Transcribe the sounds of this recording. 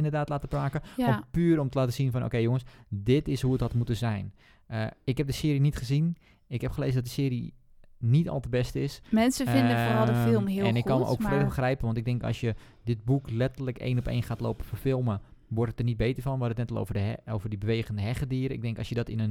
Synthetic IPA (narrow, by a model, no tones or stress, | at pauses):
ɪndərdaːtlaːtəpraːkəɔnpyːɾɔmtəlaːtəz̥infɔnʔo̰ːkejjʊŋəsdɪtɪsɦuətɦɔtmutəzɛjn | əɪkhɛp̚dəsɪːɾinitχəzin | ɪkhɛpχəleːzədɔt̚dəsɪːɾi | nitɑ̰lˠtəbɛstɪsmɛnsəfɪdəfoːɑlˠdfɪlˠmhɪɛnɪkkːɑnməʔo̰ːwkfreːdəbəxrɛjpənʋɑntɪɡ̚dɪŋkɔ̰sjə | dɪt̚buklɛtərləkḛːnɔpḛːjnxaːtlo̰ːpənforfɪlˠmə | ʋɔrtətərnit̚beːtərfɔnʋɔdətnɛtlˠo̰vəoːvərdibəʋeːχəndəɦɛχədiːɾəɪ̰ɡ̚dɛŋkɔ̰sjədɔtɪnən